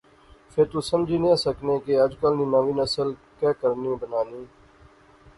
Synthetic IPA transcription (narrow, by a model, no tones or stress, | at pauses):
fʰɪɾt̪uːsəmd͡ʒʱiːnĩːaːsəkneːkeːəd͡ʒkəlnĩːmãːʋiːnəsəl | kɛːkəɾniːbənaːniː